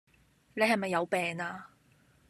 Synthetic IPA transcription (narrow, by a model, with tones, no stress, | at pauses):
ne˨˧jhɐ˨jmɐ˨jːɐ˨˧wpɛː˨ŋaː˧